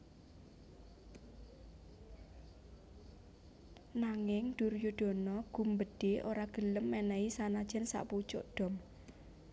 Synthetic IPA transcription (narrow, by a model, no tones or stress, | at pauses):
naŋɪŋd̥urjud̥ɔ̤nɔɡ̥ṳmbəɖ̥eʔoɾaɡ̥ələmːɛnɛisanad̥ʒ̥ɛ̤nsa̰ʔput͡ʃʊ̰ʔɖ̥ɔ̤m